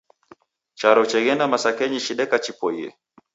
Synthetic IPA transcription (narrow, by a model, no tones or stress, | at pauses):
t͡ʃaɾɔt͡ʃɛɣɛnamasakɛɲiʃiɗɛkat͡ʃipɔiɛ̰